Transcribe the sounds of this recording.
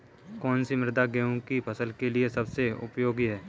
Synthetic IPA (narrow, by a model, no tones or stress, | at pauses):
kɔːnsimɪɾd̪aɡɛõkipʰɐsəlkeliesɐbseʊ̰pjoːɡiɦɛː